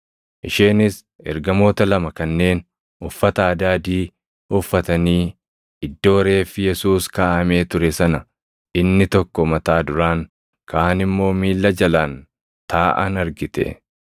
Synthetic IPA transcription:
ʔɪʃeːnɪs | ʔɛ̰ɾɡɐmo̞ːt̪ɐlɐmɐkɐnːe̞ːn | ʊfːɐt̪ɐaːd̪aːd̪iː | ʊfːɐt̪ɐniː | ɪd̪ːo̞ːɾe̞ːfːɪjɛsuːskaːʔɐme̞ːt̪ʊɾɛsɐnɐ | ʔɪnːɪt̪ɔkːɔmɐt̪aːd̪ʊɾaːŋ | kʰaaːnɪmːo̞ːmiːlːɐd͡ʒɐlaːn | t̪ʰaːʔa̰nɐɾɡɪt̪ɛ̰

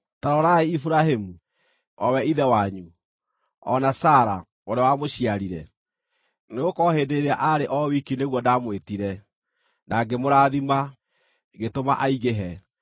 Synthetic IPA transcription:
taɾɔɾaeifuɾahemu | ɔwɛiðɛwaɲu | ɔ̰nasaːɾa̰ | woɾawamoɕiaɾiɾɛ | neɣokɔhedeɾeaʔaɾeʔɔwikineɣwɔdamwetiɾɛ | nʔaɡemoɾaːðima | ɣetomaʔaiɣeɦɛ

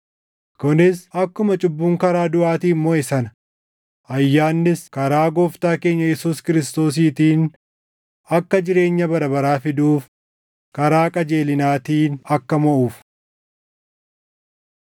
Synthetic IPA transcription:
kʊnɪsɐkːʊmɐt͡ʃʼʊbːuːŋkɐɾaːd̪ʊʔaːt̪iːmːoːɛsɐnɐ̥ | ʔɐjːaːnːɪskɐɾaːɡoːft̪aːke̞ːɲːɐjɛsuːskɪɾɪst̪o̞ːs̬iːt̪iːn | ɐkːɐd͡ʒɪɾe̞ːɲːɐbɐɾɐbɐɾaːfɪd̪uːf | kɐɾaːkʼɐd͡ʒe̞ːlɪnaːt̪iːnɐkːɐmɔʔuːf

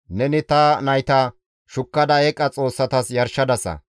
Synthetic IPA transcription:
nɛnɪt̪ɐnɐjt̪ɐ | ʃʊkːɐd̪ɐɛkʼːɐt͡sʼo̞ːsːɐt̪ɐsjɐɾʃɐd̪ɐsɐ̰

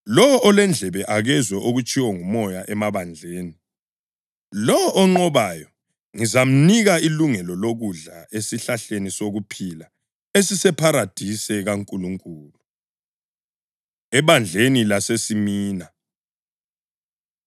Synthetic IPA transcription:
lɔwɔɔlɛnd͡ɮʱɛβɛʔaɣɛzwɛʔoɣut͡ʃʼiwɔŋumɔjaʔɛmaβand͡ɮʱeːni | lɔwɔʔɔŋ͡ǃɔβajɔ | ŋizam̩niɣailuŋɛlɔloɣuɮaʔesiɬaɬenisoɣupʰila | esisɛpʰaɾad̥ʱisɛɣaŋkʼuluŋkʼuːlu | ɛβand͡ɮʱenilasesimiːna

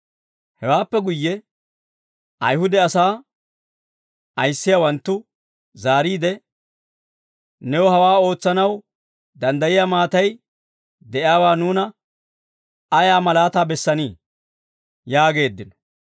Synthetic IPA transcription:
hɛwaːpːɛɡʊjːɛ | ʔɐjhʊd̪ɛɐsaː | ɐjsːɪjawɐnt̪ːʊ | zaːɾiːd̪ɛ | nɛwɔhɐwaːo̞ːt͡sːɐnɐw | d̪ɐnd̪ɐjɪjaːmaːt̪ɐj | d̪ɛʔɪaːwaːnuːnɐ | ɐjaːmɐlaːt̪aːbɛsːɐniː | jaːɡe̞ːd̪ːɪnɔ̥

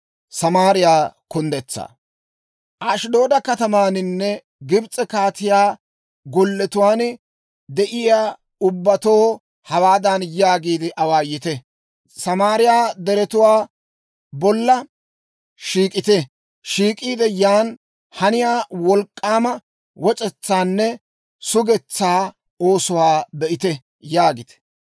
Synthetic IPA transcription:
sɐmaːɾɪjaːkʊnd̪ɛt͡sːa̰ː | ʔaʃd̪o̞ːd̪ɐkɐt̪ɐmaːnɪnːɛ | ɡɪbt͡sʼːɛkaːt̪ɪjaː | ɡɔlːɛt̪ʊwaːn | d̪ɛʔɪjaː | ʊbːɐt̪oː | hɐwaːd̪ɐnjaːɡiːd̪ɪʔɐwaːjɪt̪ɛ | sɐmaːɾɪjaːd̪ɛɾɛt̪ʊwaː | bɔlːɐ | ʃiːkʼɪt̪ɛ | ʃiːkʼiːd̪ɛjaːn | hɐnɪjaːwɔlkʼːaːmɐ | wɔt͡ʃʼɛt͡sːaːnːɛ | sʊɡɛt͡sːaː | o̞ːsʊwaːbɛʔɪt̪ɛ | jaːɡɪt̪ɛ̥

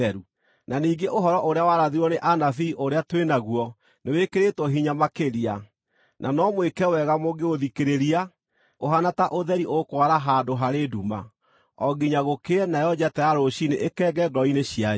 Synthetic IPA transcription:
ɛɾu | naniːɡeʔoɦɔɾɔʔoɾeawaɾaðiɾɔneʔanafiːʔoɾeatwenaɣwɔ | newekeɾetwɔɦiɲamakeɾia | nʔanɔmwekɛwɛɣamoɡeoðikeɾeɾia | oɦanataʔoðɛɾiʔokwaɾaɦadoɦaɾeduma̰ | ɔɡiɲaɣokeɛnajɔd͡ʑatɛaɾoɕineʔekɛːɡɛɡɔineɕia

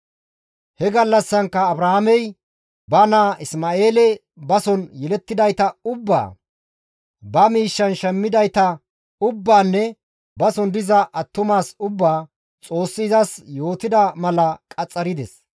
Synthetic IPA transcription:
hɛɡɐlːɐsːɐŋkːɐːbɾɐamɛj | bɐnaːɪsmaːe̞ːlɛ | bɐsɔnjɛlɛt̪ːɪd̪ɐjt̪ɐʊbːa̰ː | bɐmiːʃːɐnʃɛmːɪd̪ɐjt̪ɐ | ʊbːaːnːɛ | bɐsɔnd̪ɪzɐʔɐt̪ːʊmaːsʊbːaː | t͡sʼo̞ːsːɪːzɐsjo̞ːt̪ɪd̪ɐmɐlɐkʼɐt͡sʼːɐɾɪd̪ɛs

